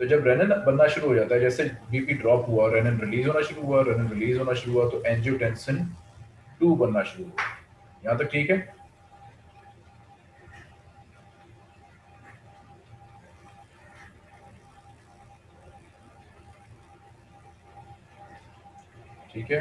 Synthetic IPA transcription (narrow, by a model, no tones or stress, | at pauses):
t̪oːd͡ʒəbɾɛːnənbənːaːʃʊɾuːɦoːd͡ʒaːt̪aɦɛːd͡ʒɛːsebiːpiːɖɾɔːpɦʊaːɾɛːnənɾɪliːzɦoːnaːʃʊɾuːɦʊaːɾɛːnənɾɪliːzɦoːnaːʃʊɾuːɦʊaːt̪oːʔɛ̃ːnd͡ʒoːʈɛ̃ːnsən | ʈuːbənːaːʃʊɾuːɦʊa | jəɦãːt̪̬ək̚ʈʰiːkɦɛː | ʈʰiːkɦɛː